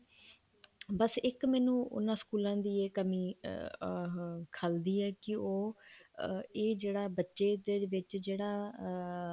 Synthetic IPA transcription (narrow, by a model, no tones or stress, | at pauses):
bəsɪkmɛːnũːʔʊ̰nãːskuːlãːd̪iːeːkəmiː | kʰəld̪iːɦɛːkɪoː | eːd͡ʒeːɽaːbətːʃeːd̪eːʋɪt͡ʃd͡ʒeːɽaː